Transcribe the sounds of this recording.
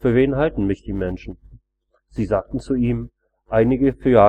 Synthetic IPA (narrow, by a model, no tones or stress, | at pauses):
fyːɐveːnɦaltn̩mɪçd̥iːmɛnʃn̩ | z̥iːzaːk̚tn̩t͡suiːm | ʔaɪnɪɡəfyːɐjaː